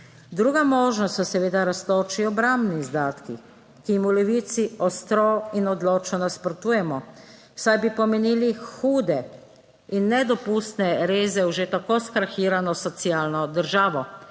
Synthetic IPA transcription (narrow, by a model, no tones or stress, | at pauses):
d̪ɾuːɡamoːʒnɔst̪ɔsɛʋeːd̪aɾast̪oːt͡ʃiɔbɾambniːzd̪aːt̪ki | kijimulɛʋiːt̪siɔst̪ɾɔinɔd̪loːt͡ʃnɔnaspɾɔt̪uːjɛmɔ | wsajbipɔmeniːlixuːd̪ɛ | inːɛd̪ɔpuːst̪nɛɾeːzɛwʒet̪akoskɾaxiːɾanɔsɔt̪siaːlnɔd̪əɾʒaːʋɔ